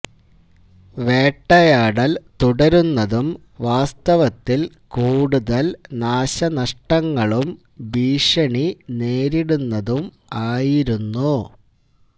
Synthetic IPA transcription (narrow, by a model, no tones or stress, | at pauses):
ʋe̞ːʈːɐjaːɽɐlt̪uɽɐɾunːɐðum | ʋaːst̪ɐʋɐt̪ːil | kuːɽuðɐlnaːɕɐnɐʂʈɐŋːɐɭum | biːʂɐɳineːɾiɽunːɐðum | aːjiɾunːu